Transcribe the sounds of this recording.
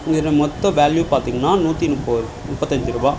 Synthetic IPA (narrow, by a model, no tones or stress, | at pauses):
ɪŋɡɐɾɐmɔt̪ːɔ̃ʋaːljupaːɾt̪iːŋɡɐnːaːnuːt̪ːinʊpːoɾ | mʊpːɐt̪ːɐɲd͡ʒɯɾuːbaː